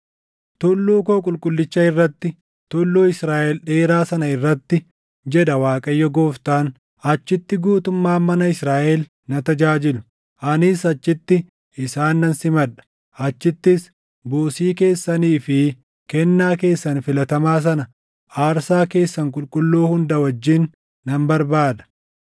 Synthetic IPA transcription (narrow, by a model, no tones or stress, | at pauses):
t̪ʊlːuːkoːkʼʊlkʼʊlːɪt͡ʃːɐɪrːɐt̪ːɪ | t̪ʊlːuːɪsɾaːʔɛlᶑe̞ːɾaːsɐnɐɪrːɐt̪ːɪ | d͡ʒɛᶑ̪ɐwaːkʼɐjːɔɡoːft̪aːn | ɐt͡ʃːɪt̪ːɪɡuːt̪ʊmːaːmɐnɐɪsɾaːʔɛl | nɐt̪ɐd͡ʒaːd͡ʒɪlʊ̥ | ʔɐnɪsɐt͡ʃːɪt̪ːɪ | ʔɪsaːnːɐnsɪmɐᶑɐ̥ | ɐt͡ʃːɪt̪ːɪs | buːsiːke̞ːsːɐniːfɪ | kɛnːaːke̞ːsːɐnfɪlɐt̪ɐmaːs̬ɐnɐ | ʔaːɾsaːke̞ːsːɐŋkʼʊlkʼʊlːoːhʊnd̪ɐwɐd͡ʒːɪnː | ɐmbɐɾbaːd̪ɐ̥